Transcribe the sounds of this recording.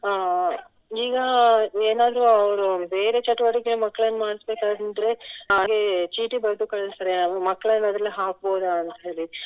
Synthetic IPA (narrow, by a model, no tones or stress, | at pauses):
iːɡɐeːnaːd̪ɾuɐʋɾube̞ːɾe̞t͡ʃɐʈːuʋɐʈikeemɐkːɐɭɐnːumaːɽisbe̞ːkaːd̪ɐnd̪ɾe̞ɦaːɡe̞t͡ʃiːʈibɐɾd̪ukɐɭɐst̪ɐɾemɐkːɐɭɐnːɐd̪ɾɐlːeɦaːk̚bo̞ːd̪uɐnt̪ɦe̞ːli